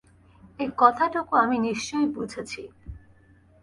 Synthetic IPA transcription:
ejkɔt̪ʰaʈokoaminiʃt͡ɕojbud͡ʑʱet͡ɕʰi

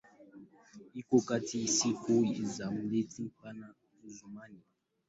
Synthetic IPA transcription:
ikokatisikoizam̩letipana | uzumani

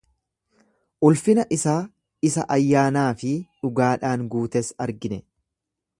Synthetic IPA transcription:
ʔʊlfɪnɐʔɪsaː | ɪsɐ̰ʔɐjːaːnaːfɪᶑʊɡaːᶑaːŋɡuːt̪ɛsɐɾɡɪnɛ

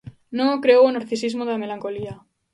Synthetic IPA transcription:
nokɾewonoɾθisizmoðelamelaŋkolia

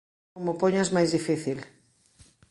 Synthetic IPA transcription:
omopoɲazmajzðifiθil

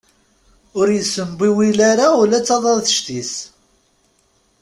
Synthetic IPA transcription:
ʊɾjəsːəmbiwilaɾaʊlæt͡sːɑðˤɑðθəʃt̪is

